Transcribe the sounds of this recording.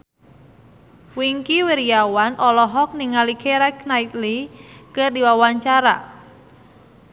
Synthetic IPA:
wiŋkiweɾijawanʔɔlɔɦɔk̚niŋalikʰeɾɛknait̪likərdiwawaɲt͡ʃaɾa̰

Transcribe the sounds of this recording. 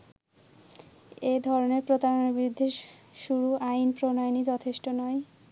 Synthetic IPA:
ed̪ʱɔɾoneɾpɾot̪aɾoneɾbiɾud̪ʱːe | ʃuɾuʔainpɾonɔenid͡ʑɔt̪ʰeʃʈonɔe

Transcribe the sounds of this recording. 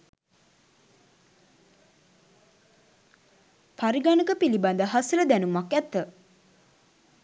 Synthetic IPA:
paɾiɡanəkəpiliband̪əɦasələd̪ænumakɛt̪ːə

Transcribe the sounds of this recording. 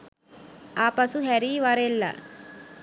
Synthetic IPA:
aːpɐsuɦeɾiʋaɾelːa̰

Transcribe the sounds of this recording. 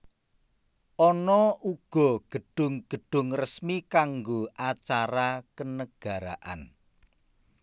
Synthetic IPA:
ʔɔnɔuɡ̥ɔ̤ɡ̥ə̤ɖ̥ʊ̤ŋɡ̥ə̤ɖ̥ʊŋrəsmikaŋɡoʔat͡ʃaɾakənəɡ̥a̤ɾaʔa̰n

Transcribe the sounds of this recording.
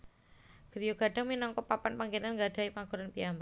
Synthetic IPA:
ɡ̥əɾijoɡ̥a̤ɖ̥a̤ŋminɔŋkɔpapanpaŋɡenanŋɡaɖ̥a̤ipaɡ̥uɾanpiamba

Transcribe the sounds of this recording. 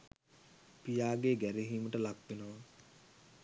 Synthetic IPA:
pijaːɡeɡæɾiɦiːməʈəlakʋenəʋaŋ

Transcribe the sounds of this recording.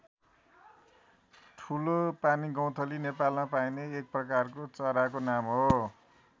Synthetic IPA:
ʈʰulopaniɡʌw̃t̪ʰʌlinepalmapajneːk̚prʌkarkot͡sʌɾakonamɦo

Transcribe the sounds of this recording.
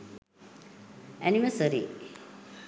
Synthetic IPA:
æniʋəsəɾḭ

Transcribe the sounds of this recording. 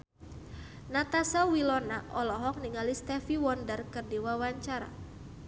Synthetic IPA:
nat̪asawilɔnaʔɔlɔɦɔk̚niŋalist̪ɛfiwɔndərkərdiwawaɲt͡ʃaɾa̰

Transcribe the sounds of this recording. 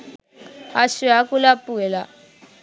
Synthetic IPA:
aʃiakulapuɛla

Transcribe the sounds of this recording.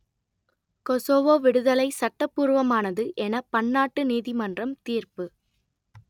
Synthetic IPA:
kɔsoːʋoːʋɪɽɯðɐlɐɪsɐʈːɐpːuːɾʋɐmaːnɐðɯʔɛnɐpɐɳːaːʈːɯniːðɪmɐndrɐmt̪iːrpɯ

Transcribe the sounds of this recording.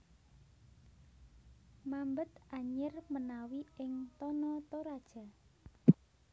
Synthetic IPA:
mambət̪ʔaɲɪrmənawiɪŋt̪ɔnɔt̪oɾad̥ʒ̥a̤

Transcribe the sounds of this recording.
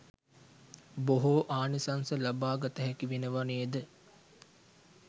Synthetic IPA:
boɦoʔaːnisansəlabaːɡat̪əɦɛkiʋenəʋanejəd̪ə

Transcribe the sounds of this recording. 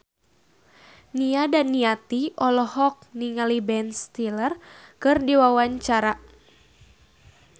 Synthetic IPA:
niadanːiat̪iʔɔlɔhɔk̚niŋalibɛnst̪ilərkɨrdiwawaɲt͡ʃaɾa

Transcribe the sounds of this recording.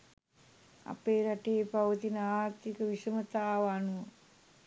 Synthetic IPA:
a̰peːɾaʈeːpaʋət̪inəaːɾt̪ːikəʋisəmət̪aːʋanuʋə

